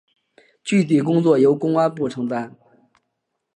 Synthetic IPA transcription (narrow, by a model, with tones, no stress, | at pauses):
t͡ɕy˥˩t̪̬ʰi˨˩k̬ʊ˥ŋt͡swɔ˥˩jo˧˥ʊkʊ˥ŋwa˥pu˥˩ʈ͡ʂʰɤ˧˥ŋt̪a˥˩n